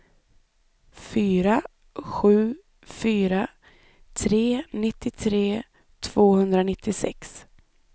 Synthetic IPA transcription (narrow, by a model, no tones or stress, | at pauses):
fyːɾa | ɧʉ̟ː | fyːɾa | t̪ʰɾeːnɪt̪ːɪt̪ʰɾeː | t̪ʰv̥oːhɵnd̪ɾanɪt̪ʰːɪsɛ̰ks